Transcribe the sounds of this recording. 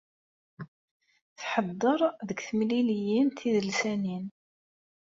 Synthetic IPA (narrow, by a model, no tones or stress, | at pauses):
θħəd̪ˤːəɾˤðəkθəmlilijinθiðəlsænin